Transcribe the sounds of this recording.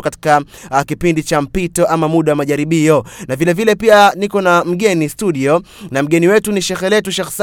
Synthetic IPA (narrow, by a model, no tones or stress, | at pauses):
kati̥kakipindit͡ʃam̩pitɔʔamamuɗawamaʄaɾiɓiɔnavilɛvilɛpianikɔnam̩ɠɛnistuɗiɔ | nam̩ɠɛniwɛtuniʃɛxɛlɛtuʃɛxs